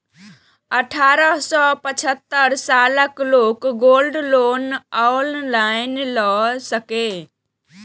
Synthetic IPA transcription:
əʈʰaɾəɦsɔpət͡ʃʰət̪ːəɾsaləklokɡolɖlonawllaɪnlɔsəke

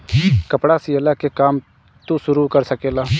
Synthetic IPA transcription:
kəpɽaːsiəlaːkekaːm | t̪usʊɾuːkəɾsəkeːlaː

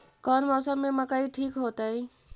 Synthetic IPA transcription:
kɔnmɔsəbmeməkəiʈʰiːkɦot̪əi

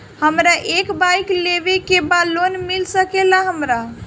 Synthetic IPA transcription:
həmɾaʔekbajklebekebalonmilsəkelaɦəmɾa

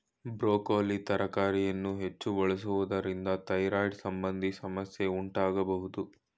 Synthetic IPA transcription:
bɾoːkoːlit̪ɐɾɐkaːɾijɐnːuɦe̞t͡ʃːuʋɐɭɐs̬uʋud̪ɐɾind̪ɐt̪ɐjɾaːjɖsɐmbɐnd̪isɐmɐsje̞uɳʈaːɡɐbɐɦud̪u

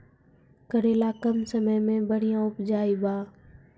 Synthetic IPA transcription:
kəɾeːlaːkəmsəməjmẽbəɽ̤ijãːʊpd͡ʒaːiːbaː

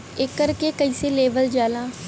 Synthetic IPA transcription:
ekːəɾkekɐiːseleːbəld͡ʒaːlãː

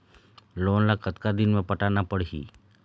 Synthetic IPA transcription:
loːnlakʰət̪kad̪ɪnmẽpəʈanapəɽɦḭː

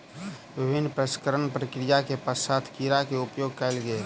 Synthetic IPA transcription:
ʋɪbʱɪnːpɾəskəɾəɳpɾəkɾijakepəsat̪ʰkiɾakeʊpjoɡ̚kaɪlɡəe

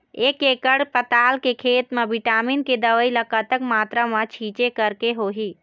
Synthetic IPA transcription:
eːkekəɽpət̪aːlkekʰeːt̪mẽbiʈaːminked̪əʋəiləkət̪əkmaːt̪ɾəmət͡ʃʰiːt͡ʃekəɾkeɦoːɦiː

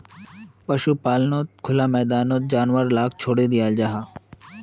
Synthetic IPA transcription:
pɐʃupaːlnot̪̚kʰʊlamɛːd̪aːnoːt̪̚d͡ʒaːnʋəɾlaːkt͡ʃʰoːɽed̪ɪjaːld͡ʒaːɦa

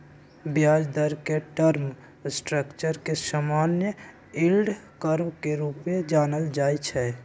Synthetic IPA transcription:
bjaːd͡ʒd̪əɾkeʈəɾm | sʈɾəkt͡ʃəɾkesamaːnjə | ilɖkəɾmkeɾuːped͡ʒaːnəld͡ʒaːjt͡ʃʰɛː

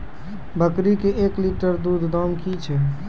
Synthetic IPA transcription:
bəkɾikeʔekliʈəɾd̪ud̪ʱd̪ɔmkit͡ʃʰɛ

